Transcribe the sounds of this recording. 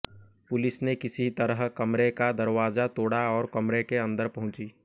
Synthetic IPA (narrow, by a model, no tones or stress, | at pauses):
pʊlɪsnekɪsit̪ɐɾəɦkɐmɾekad̪ɐɾwaːzat̪oːɽaɔːɾkɐmɾekeɐ̃nd̪əɾpɐɦʊ̃t͡ʃiː